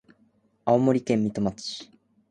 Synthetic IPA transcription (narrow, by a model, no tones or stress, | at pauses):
aomo̞ɾʲikẽ̞mːʲit̪o̞mat͡sɨ̥